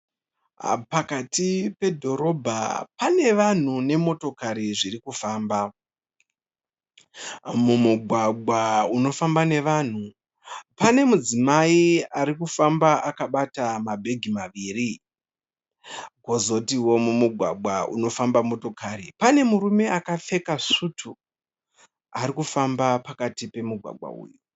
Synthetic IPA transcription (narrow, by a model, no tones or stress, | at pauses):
pakatipe̞dʱo̞ɾo̞bʱa̰pane̞ʋan̤une̞mo̞to̞kaɾiʐirikufaːmba | mumuɡʱwaɡ͡bʱwauno̞fambane̞ʋan̤u | pane̞mud͡zimaiaɾikufambaʔakaɓatamabʱe̞ɡʱimaʋiːri | ɡʱo̞zo̞tiwo̞mumuɡʱwaɡ͡bʱwaṵno̞fambamo̞to̞kaːɾipane̞muɾume̞akafe̞kaʂutʰu | aɾikufambapakatipe̞muɡʱwa̰ɡʱwa̰ṵːju